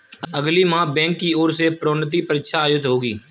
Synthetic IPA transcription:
əɡliːmãːbɛ̃ːŋkːiːoːɾseːpɾoːnət̪̬iːpəɾɪtʃaːjʊd̪ɦoːɡiː

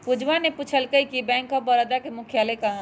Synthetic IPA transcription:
pud͡ʒʱʋaneput͡ʃʰəlkəikibɛ̃ːŋkɔbɔɾəd̪akemʊkʰjalekaɦ

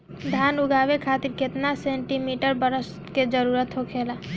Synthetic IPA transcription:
d̪ʱaːnʊɡaːʋekʰaːt̪iɾket̪nasẽːɳʈimiʈəɾbəɾəs | ked͡ʒəɾuːɾət̪ɦokʰeːla

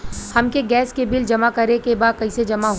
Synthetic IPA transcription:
hɐmkeɡɛːskebɪld͡ʒɐmakɐɾekebaːd̪̚kɐised͡ʒɐmaɦ

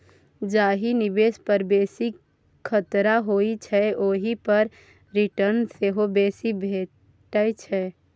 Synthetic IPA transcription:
d͡ʒaɦinibespəɾbesik | kʰːət̪ɾaɦoit͡ʃʰɛoɦipəɾ | ɾiʈəɾnseɦobesibʱe | ʈəjt͡ʃʰɛ

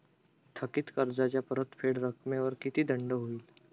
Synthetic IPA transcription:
t̪ʰəkɪt̪kəɾd͡zad͡ʒapəɾət̪pʰeɽɾəkʰmeʋəɾkit̪ʰid̪əɳɖəɦuil

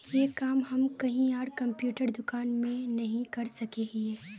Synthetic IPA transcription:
jeːkaːmɦɐmkɐɦĩaːɽkɐ̃mpjuːʈəɾd̪ʊkaːnmẽnɐɦĩkɐɾsɐkeːɡieː

